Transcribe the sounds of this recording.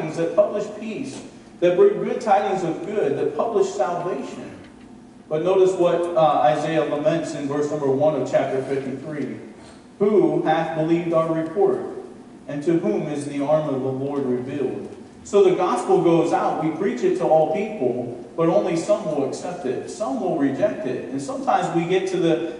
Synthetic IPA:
ɪ̃ŋzðɨt̚pʰʌblɨʃpʰis | ðɨt̚b̥ɹɪ̃ŋɡʊd̚tʰaɪɾɪ̃ŋzʌvɡʊd̪̚ðɨt̚pʰʌbləʃsælˠveɪʃɨ̰̃n | b̥ʌtⁿnoʊɾɨs̚wʌɾaɪzeɪɨləmɛ̃ntsɨ̃nvɜ˞snʌ̃mbə˞wʌ̃nʌv̥t͡ʃʰæp̚tə˞fɪftiθɹi | huæθbəlivdaʊə˞ɹɨpʰɔɹɾ | ɨ̃ntʰɨɦũmɪzðiɑɹmʌvðəlɔɹd̚ɹɨvilˠd̥̚ | soʊðɨɡɑspl̩ˠɡoʊzaʊt̚wipʰɹ̥it͡ʃɨtʰəɔlˠpipl̩ˠ | b̥ʌɾõʊ̃nlisʌ̃mwəl̩ˠəksɛp̚tɪ̰t̚sʌ̃mwəlˠɹɨd͡ʒɛk̚tɪ̰ɾɨ̃nsʌ̃mtʰãɪ̃mzwiɡɛtʰɨðɨ

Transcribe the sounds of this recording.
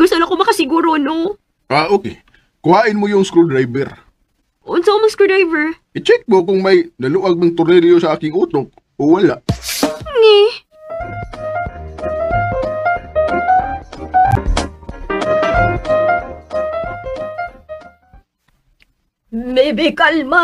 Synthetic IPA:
ɡʊst̪onɐkomɐkɐsɪɡuːɾono | ʔaːʔoːkɛ | kʊhaːʔɪnmojʊŋskɾud̪ɾajbɛɾ | ʔonsomɐŋskɾud̪ɹajvɛɹʔɪt͡ʃɛk̚t̪̚mokʊŋmɐjnɐlʊʔɐɡ̚nɐŋt̪ʊɾnɛljosɐʔaːkɪŋʔuːt̪ok̚ | ʔowɐlaʔnɛ | mɛbɪkalma

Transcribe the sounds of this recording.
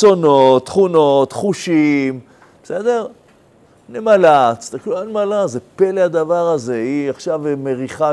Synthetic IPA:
t͡so̞not̪ːχunot̪χuʃim | be̥se̞d̪e̞ʁ | nemalat͡st̪akluanmalazepelead̪avaʁaze̞iaχʃavmeʁiχa

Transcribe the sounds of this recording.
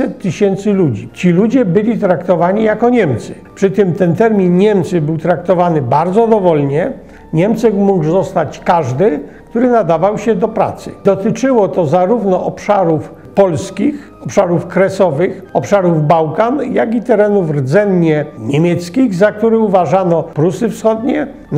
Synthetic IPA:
ɛt̪ːɘɕɛnt̪sɘlud͡ʑit͡ɕilud͡ʑɛbɘlʲit̪ɾakt̪ɔvaɲijakɔɲɛmt̪sɘ̥ | pʂɘt̪ɘmt̪ɛnt̪ɛɾmʲinɲɛmt̪sɘbɘwt̪ɾak̚t̪ɔvanɘbaɾd̪zɔd̪ɔvɔlɲɛ | ɲɛmt̪sɛkmuɡzɔst̪at͡ɕkaʐd̪ɘ | kt̪uɾɘnad̪avawɕɛd̪ɔpɾa̰t̪sɘ̰d̪ɔt̪ɘt͡ʂɘwɔt̪ɔzaɾuvnɔʔɔpʂaɾuf | pɔlskʲix | ɔpʂaɾufkɾɛsɔvɘxɔpʂaɾuvbawkanjaɡit̪ɛɾɛnuvrd̪zɛnɲɛɲemʲjɛt̪skʲiɣzak̚t̪uɾɘuvaʐanɔpɾusɘfsxɔd̪ɲɛ | n

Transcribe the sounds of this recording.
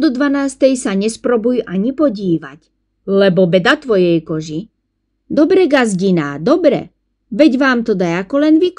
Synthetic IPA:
d̪ɔd̪ʋanaːst̪ɛjsaɲɛspɾɔbujʔaɲipɔɟiːʋa̰c | lɛbɔbɛd̪at̪ʋɔjɛjkɔʒi | d̪ɔbɾɛɡazɟina̰ːd̪ɔbɾɛ̰ | ʋɛɟʋaːmt̪ɔd̪ajakɔlɛnʋik

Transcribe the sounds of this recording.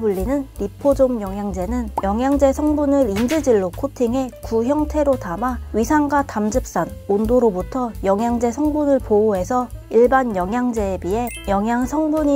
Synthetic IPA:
buɭːinɯnɾipʰod͡ʑomjʌŋjaŋd͡ʑe̞nɯnjʌŋjaŋd͡ʑe̞sʰʌŋbunɯɾind͡ʑɯd͡ʑiɭːokʰotʰiŋe̞kuçjʌŋtʰe̞ɾotamaɥisʰaŋɡwatamd͡ʑɯp̚s͈anondoɾobutʰʌjʌŋjaŋd͡ʑe̞sʰʌŋbunɯɭpooɦe̞sʰʌiɭbanjʌŋjaŋd͡ʑe̞bie̞jʌŋjaŋsʰʌŋbuɲi

